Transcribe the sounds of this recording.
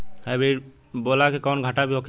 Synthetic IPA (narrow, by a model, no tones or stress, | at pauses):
hajbe | bolakekɔnɡʱaʈabiokʰ